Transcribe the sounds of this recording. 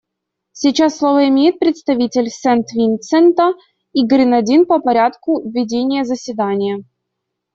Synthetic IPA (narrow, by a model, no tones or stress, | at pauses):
sʲit͡ɕasːlˠovəɪmʲejɪt̪̚pɾʲɪt̪st̪ɐvʲitʲɪlʲsɛnt̪vʲint̪sɛnt̪ə | iɡɾʲɪnɐdʲinpəpɐɾʲat̪kʊvʲːɪdʲenʲɪjəzəsʲvʲɪd̪anʲɪjə